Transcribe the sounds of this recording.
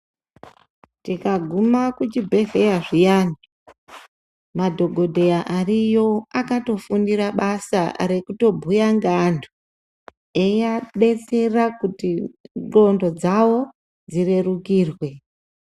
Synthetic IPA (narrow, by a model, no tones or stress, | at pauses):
tikaɡʱumakut͡ʃibʱe̞xejaʐijani | madʱo̞ɡʱo̞dʱejaʔarijo̞akato̞fundiɾaɓasa̰ɾe̞kuto̞bʱujaŋɡandu | ejaɗe̞t͡se̞rakutilo̞ndo̞d͡zawo̞ | d͡zire̞rukiːrwe̞